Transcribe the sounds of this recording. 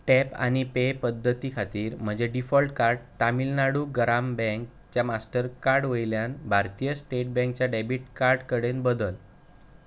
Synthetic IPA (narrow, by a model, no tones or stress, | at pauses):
ʈɛpa̰ñipepəd̪ʱːət̪ikʰat̪iːɾm̤əd͡ʑeɖifɔlʈkaɾɖt̪amilnaɽuːɡɾambɛ̃ŋk | t͡ɕjamasʈəɾkaɾɖʋəjljanbʱaɾt̪ijəsʈeʈ̚bɛ̃ŋk̚t͡ɕjaɖɛbiʈkaɾɖkəɽenbəd̪əl